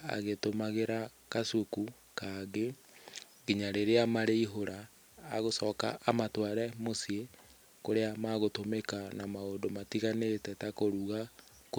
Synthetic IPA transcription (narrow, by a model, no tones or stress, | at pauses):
a̰ɣetomaɣeɾa | kasuku | kaɡe | ɣiɲaɾeɾeamaɾeiɦoɾaː | ɣosɔːkaʔːmatwaɾɛmosie | koɾeamaɣotomekanamaodomatiɣanetɛtakoɾuɣa | ko